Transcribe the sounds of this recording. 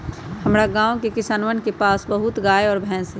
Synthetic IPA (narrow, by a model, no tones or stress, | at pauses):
həmɾaɡãːõkekɪsaːnʋənkepaːsbəɦʊt̪ɡaːeɔːɾbʱɛ̃ːsɦɛ